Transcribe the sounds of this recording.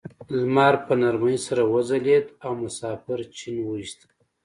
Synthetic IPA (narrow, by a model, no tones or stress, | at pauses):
lmɑɾpənaɾmajisaɾawəzaled̪awmʊsɑfɪɾt͡ʃinwəiʃt̪